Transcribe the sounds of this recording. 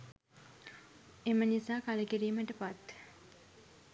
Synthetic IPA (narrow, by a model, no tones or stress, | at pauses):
emənisaːkaləkiɾiːməʈəpat̪